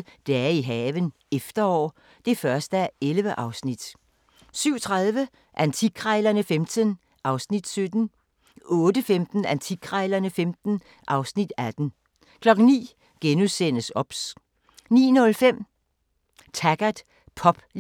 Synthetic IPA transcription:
d̥eæɐiɦɛːʋən | efd̥ɐɒ̰ː | d̥e̝fɶɐsd̥əæelʋəʔɑ̈ʊsnid̥ | syʊ̰t͡sʰʁaðˠʋə | ʔænt͡sʰiɡ̥ʰʁɑɪlɐnəfemd̥ən | ʔɑ̈ʊsnid̥sød̥n̩ | ɔ̽ːd̥əfemd̥n̩ænt͡sʰiɡ̥ʰʁɑɪlɐnəfemd̥n̩ | ʔɑ̈ʊsnid̥æd̥n̩ | kʰlɒ̽ɡ̥n̩nḭː | ɡ̥enusen̰əsɒ̽b̥s | nḭːnɔ̽lfem̰ | t͡sʰæɡ̥ɐd̥ | pʰɒ̽b̥

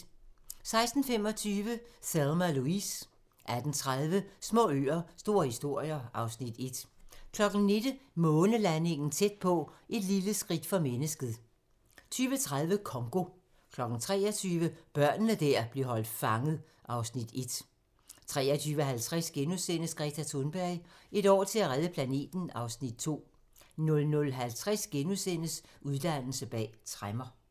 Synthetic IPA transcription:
sɑ̈ɪsd̥n̩fem̰ɒ̽t͡sʰyːʋəselˠmæluis | ʔæd̥n̩t͡sʰʁaðˠʋəsmɔ̰̽ːø̰ːɐsd̥o̝ːɐ̰hisd̥o̝ɐ̰jɐʔɑ̈ʊsnid̥e̝d̥kʰlɒ̽ɡ̥n̩ne̝d̥əmɔ̽ːnəlæne̝ŋn̩t͡sʰed̥̚pʰɒ̽ʔe̝d̥liləsɡ̥ʁid̥fɒ̽menəsɡ̥əð̩ˠ | t͡sʰyːʋət͡sʰʁað̞ˠʋəkʰɒ̽ŋɡ̥o̝ | kʰlɒ̽ɡ̥n̩t͡sʰʁɛ̰ːɒt͡sʰyːʋəb̥ɶɐ̰nənəd̥æɐ̰b̥le̝ɐɦɒ̽l̰d̥fɑ̈ŋð̩ˠ | ʔɑ̈ʊsnid̥e̝d̥ | t͡sʰʁɛ̰ːɐt͡sʰyːʋəɦælt͡sʰʁasɡ̥enusen̰əsɡ̥ʁɛt͡sʰæt͡sʰonb̥æɐ̰ɪe̝ɾ̥ɒ̰ːt͡sʰe̝læʁaðˠəpʰlæne̝̰ːd̥n̩ɑ̈ʊsnid̥̚t͡sʰo̝̰ː | nɔ̽lnɔ̽lɦælt͡sʰʁasɡ̥enusen̰əsʔuðˠd̥æn̰l̩səb̥ɛ̰ːt͡sʰʁamɐ

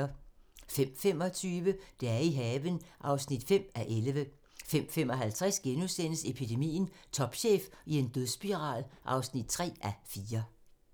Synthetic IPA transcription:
fem̰fem̰ɒ̽t͡sʰyːʋəd̥eæɐiɦɛːʋənʔɑ̈ʊsnid̥fem̰æʔelʋə | fem̰fem̰ɒ̽ɦælt͡sʰʁɛsɡ̥enusen̰əse̝pʰid̥e̝mḭːn̩t͡sʰɒ̽b̥ɕḛːfie̝nd̥øðˠsb̥iʁɑ̰̈ðˠʔɑ̈ʊsnid̥̚t͡sʰʁɛ̰ːʔæfiːɐ

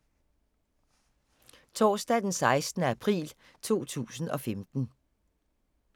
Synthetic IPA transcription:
t͡sʰɒːsd̥ɛd̥ensɑ̈ɪsd̥ənəæpʰʁḭːl | t͡sʰo̝̰ːt͡sʰṵːsn̩ɒ̽femd̥n̩

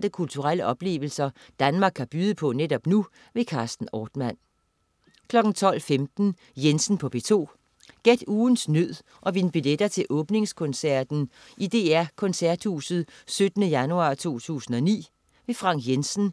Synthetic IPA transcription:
d̥əkʰult͡sʰuʁal̰əʔɒ̽b̥le̝̰ːʋl̩sɐ | d̥ænmɑ̈ːɡ̥ʰhɑ̈b̥yːðˠəpʰɒ̽ned̥ɒ̽b̥nu | ʋe̝kʰɑ̈ːsd̥n̩ɒːd̥mæn̰ | kʰlɒ̽ɡ̥n̩t͡sʰɒ̽l̰femd̥n̩ | jensn̩pʰɒ̽b̥e̝t͡sʰo̝̰ː | ɡ̥ed̥uːn̩snøð̰ˠ | ʔɒ̽ʋinb̥iled̥ɐt͡sʰe̝ʔɔ̽ːb̥ne̝ŋskʰɔ̽nsæɐ̰d̥n̩ | ʔid̥e̝̰ːæɐkʰɔ̽nsæɐd̥hṵːsð̩ˠsød̥ənəjænuɑ̈ːt͡sʰo̝̰ːt͡sʰṵːsn̩ɒ̽nḭː | ʋe̝fʁɑ̈ŋ̰̥jensn̩

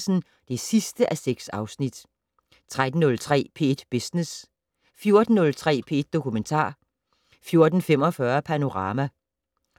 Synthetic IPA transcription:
sn̩ | d̥e̝sisd̥əʔæseɡ̥sɑ̈ʊsnid̥ | t͡sʰʁad̥n̩ːɔ̽lt͡sʰʁɛ̰ːpʰe̝̰ːd̥b̥esnes | fjo̝ɐd̥n̩nɔ̽lt͡sʰʁɛ̰ːpʰe̝̰ːed̥̚ːo̝kument͡sʰɑ̰̈ː | fjo̝ɐd̥n̩fem̰ɒ̽fɶɐpʰæno̝ʁɑ̈ːmæ

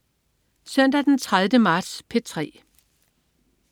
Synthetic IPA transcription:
sœn̰d̥æd̥ent͡sʰʁaðˠʋnəmɑ̈ːd̥spʰe̝t͡sʰʁɛ̰ː

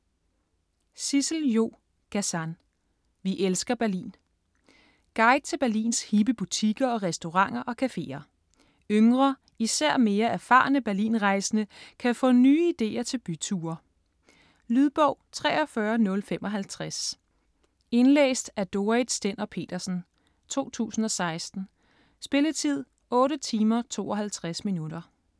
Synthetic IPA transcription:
sisl̩jo̝̰ː | ɡ̥æsæn | ʋiʔelsɡ̥ɐb̥æɐlḭːn | ɡ̥ɑ̈ɪd̥̚t͡sʰe̝b̥æɐlḭːnshib̥əb̥ut͡sʰiɡ̥ɐɒ̽ʁɛsd̥o̝ʁɑ̈ŋ̰ɐʔɒ̽kʰæfe̝̰ːɐ | øŋʁɐ | isæɐ̰me̝ːɐæɐfɑ̈ːnəb̥æɐlḭːnʁɑ̈ɪsənəkʰæfɔ̽ːnyːid̥e̝̰ːɐt͡sʰe̝lb̥yt͡sʰuːɐ | lyðˠb̥ɔʊ̰t͡sʰʁɛ̰ːɒ̽fɶːɐnɔ̽lfem̰ʔɒ̽ɦælt͡sʰʁas | e̝nlḛːsd̥æɐd̥o̝ɐid̥sd̥enɐpʰe̝̰ːd̥ɐsn̩ | t͡sʰo̝̰ːt͡sʰṵːsn̩ɒ̽sɑ̈ɪsd̥n̩ | sb̥e̝lət͡sʰið̞̰ˠ | ɔ̽ːɾət͡sʰiːmɐt͡sʰo̝̰ːɒ̽hælt͡sʰʁasminud̥ɐ

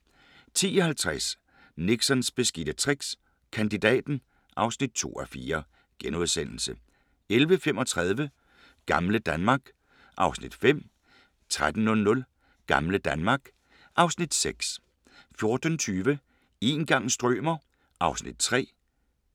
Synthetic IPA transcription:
t͡sʰḭːɒ̽hælt͡sʰʁas | niɡ̥sɒnsb̥e̝sɡ̥id̥ət͡sʰʁiɡ̥s | kʰænd̥id̥ɛ̰ːd̥n̩ | ʔɑ̈ʊsnid̥̚t͡sʰo̝̰ːɒfiːɐ | ɡ̥enuðˠsen̰l̩sə | elʋəfem̰ʔɒ̽t͡sʰʁað̞ˠʋə | ɡ̥ɑ̈mləd̥ænmɑ̈ːɡ̥ | ʔɑ̈ʊsnid̥fem̰ | t͡sʰʁad̥n̩nɔ̽lnɔ̽l | ɡ̥ɑ̈mləd̥ænmɑ̈ːɡ̥ | ʔɑ̈ʊsnid̥seɡ̥s | fjo̝ɐd̥n̩t͡sʰyːʋə | e̝ːnɡ̥ɑ̈ŋ̰sd̥ʁœ̰ːmɐ | ʔɑ̈ʊsnid̥̚t͡sʰʁɛ̰ː

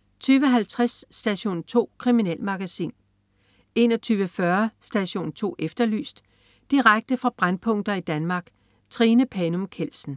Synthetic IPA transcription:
t͡sʰyːʋəɦælt͡sʰʁasːd̥æɕo̝̰ːnt͡sʰo̝̰ːkʰʁiminel̰mɑ̈ɡ̥æsḭːn | e̝nɒ̽t͡sʰyːʋəfɶɐsd̥æɕo̝̰ːnt͡sʰo̝̰ːʔefd̥ɐly̰ːsd̥ | d̥iʁaɡ̥̚d̥əfʁɑ̈b̥ʁanpʰɔ̽ŋ̰d̥ɐid̥ænmɑ̈ːɡ̥ | t͡sʰʁinəpʰɛnomkʰel̰sn̩

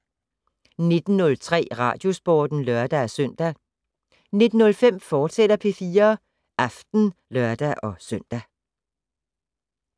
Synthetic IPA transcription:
ne̝d̥n̩nɔ̽lt͡sʰʁɛ̰ːʁɑ̰̈ːd̥jo̝sb̥oːd̥n̩lœɐd̥ææsœn̰d̥æ | ne̝d̥n̩ːɔ̽lfem̰fɒ̥ːsed̥ɐpʰe̝fiːɐ | ʔɑfd̥n̩lɶɐd̥æʔɒ̽sœn̰d̥æ

